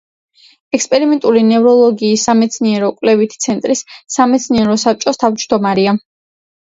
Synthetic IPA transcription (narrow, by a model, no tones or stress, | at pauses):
ɛkspʼɛɾimɛnt̪ʼulinɛvɾɔlˠɔɡiːsːamɛt̪sʰniɛɾɔkʼwlɛvit̪ʰi̥t̪sʰɛnt̪ʼɾisːamɛt̪sʰniɛɾɔsap̚t͡ʃʼɔst̪ʰavd͡ʒd̪ɔmaɾia